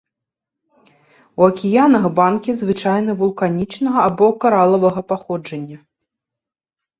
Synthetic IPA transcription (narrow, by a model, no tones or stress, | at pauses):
uɐkʲijanɐɣbankʲizvɨt͡ʂajnɐvulˠkanʲit͡ʂnɐɣɐabɔkaɾalˠɐvɐɣɐpaxɔd͡ʐɐnʲːɐ